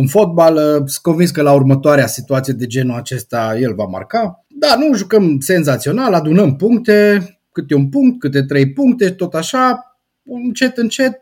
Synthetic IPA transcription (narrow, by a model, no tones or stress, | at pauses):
unfo̞t̪̚baləsɨko̞nvinskəlaurmət̪oaɾeasit̪uat̪sijed̪e̞d͡ʒe̞nuat͡ʃe̞st̪aje̞lva̰ma̰rka | d̪anuʒukəmse̞nzat̪sio̞nalad̪unəmpuŋkt̪e̞ | kɨt̪eunpuŋk̚t̪̚kɨt̪̬e̞t̪ɾe̞jpuŋk̚t̪e̞it̪o̞t̪aʃa | unt͡ʃe̞t̪ɨnt͡ʃe̞t̪̚